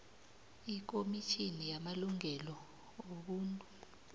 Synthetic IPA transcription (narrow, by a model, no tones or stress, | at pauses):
ik̬ʼomit͡ʃʰʼinijamaluŋɛlɔ | oɓuːntʼu